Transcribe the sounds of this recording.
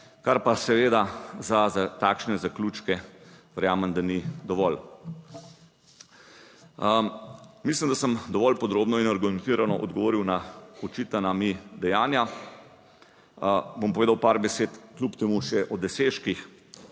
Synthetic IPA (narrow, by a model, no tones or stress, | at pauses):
kaɾpasɛʋeːd̪azaat̪aːkʃnɛzaklut͡ʃkɛʋɛɾjaːməmd̪anid̪ɔʋɔl | mislimd̪asəmd̪ɔʋɔlpɔd̪ɾoːbnɔinaɾɡumɛnt̪iːɾanɔʔɔ̰d̪ɡɔʋoːɾiwnaɔt͡ʃit̪anamid̪ɛjaːnja | bompɔʋeːd̪awpaɾbɛseːt̪klʲupt̪emuʃɛʔɔd̪ɛseːʃkix